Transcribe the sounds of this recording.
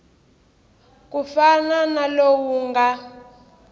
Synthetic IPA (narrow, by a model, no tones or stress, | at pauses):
kufananalowuŋɡa